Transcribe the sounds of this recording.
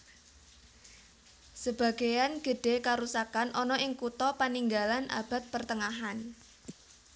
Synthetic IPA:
səb̥a̤ɡ̥a̤janɡ̥ə̤ɖ̥e̤kaɾusakanʔɔnɔʔɪŋkut̪ɔpaniŋɡalanʔa̰b̥a̤t̪̚pərt̪əŋaɦan

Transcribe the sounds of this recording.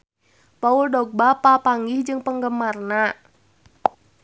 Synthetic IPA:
pauldɔɡ̚bapapaŋɡɪhd͡ʒɨŋpəŋɡəmarna

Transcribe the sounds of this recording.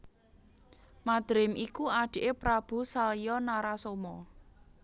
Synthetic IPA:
mad̪̥ɾɪmikuaɖ̪̥i̤ʔepɾab̥ṳsalijɔnaɾasomɔ

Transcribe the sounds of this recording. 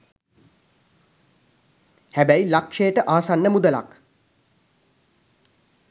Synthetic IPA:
hæbæjlakʂejəʈəʔaːsanːəmud̪əla̰k

